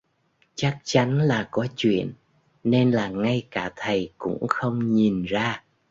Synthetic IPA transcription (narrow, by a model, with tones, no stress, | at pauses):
t͡ɕa˦˥k̚t͡ɕa˨˦nlaː˨˩kɔ˨˦t͡ɕwḭ˧˨ənː | e˧nlaː˨˩ŋa˧jkaː˧˩t̪ʰə˨˩jkʊ̰˧˥ŋ͡mxə˧wŋ͡mɲi˨˩nzaː˧